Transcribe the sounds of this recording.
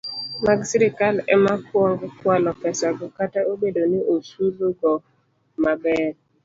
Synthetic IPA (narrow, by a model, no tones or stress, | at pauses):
maɡsɪɾɪkalɛmakwɔŋɡkwalɔpɛsaɡɔkataʔobedonɪʔosuzoɡɔ | mabɛɾ